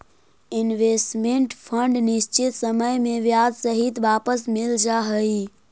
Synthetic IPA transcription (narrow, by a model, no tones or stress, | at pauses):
ɪnʋesʈmẽɳʈpʰə̃ɳɖnɪʃt͡ʃɪt̪səməjmẽʋjaːd̪səɦɪt̪ʋaːpəsmɪld͡ʒaːɦəi